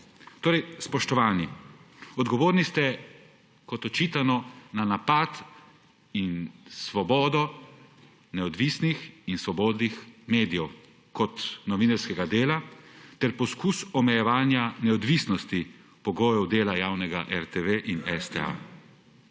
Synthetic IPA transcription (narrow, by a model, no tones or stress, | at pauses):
t̪oːɾɛjspɔʃt̪ɔʋaːniɔd̪ɡɔʋoːɾnist̪ɛ | kɔt̪ɔt͡ʃiːt̪anɔnanapat̪ | insʋɔbɔːd̪ɔ | nɛɔd̪ʋiːsnixinsʋɔbɔːd̪nixmeːd̪ijɛw | kɔt̪nɔʋinaɾskɛɡad̪eːlat̪ɛɾpɔskusɔmɛjɛʋaːnjanɛɔd̪ʋisnɔst̪i | pɔɡoːjɔwd̪eːlajaːwnɛɡa̰ʔɛɾt̪eʋeʔinɛst̪ḛa̰